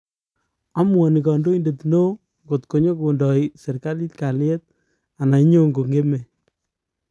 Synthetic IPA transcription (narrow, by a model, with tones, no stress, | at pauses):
a˦mwɔ˨ni˨kɔ˨ndo˦i˦nde˨tno˦ | ŋɡo˨tko˨ɲo˦ko˨ndɔ˨isɛ˨ɾka˦li˦tka˨ljɛ˦t̚ | a˨na˨˦ɲo˦ŋɡo˨ŋɡe˦me˨